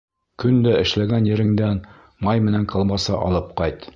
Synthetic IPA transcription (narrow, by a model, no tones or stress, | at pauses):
kɵnd̪æɘ̆ʃlæɡænjɘ̆ɾɘ̆ŋd̪æn | mɑjmɘ̆næŋqʰɤ̆lˠmɑsɑʔɒ̰lˠɤp̚qɑjt̪